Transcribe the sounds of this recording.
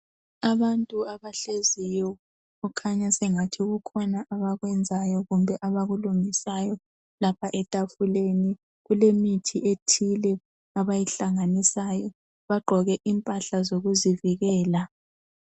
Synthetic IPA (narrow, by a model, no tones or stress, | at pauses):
aβantʼuaβaɬezijɔ | ukʰaɲasɛŋatʰiɣukʰɔnaʔaβaɣwɛnd͡zʱajɔɣumbʱɛʔaβaɣuluŋisajɔ | lapʰaʔɛtʼafuleni | ɣulemitʰiʔetʰilɛ | aβajiɬaŋanisajɔ | βaɡ͡ǃʱɔɣɛʔimpʼaɬazoɣuziviɣɛːla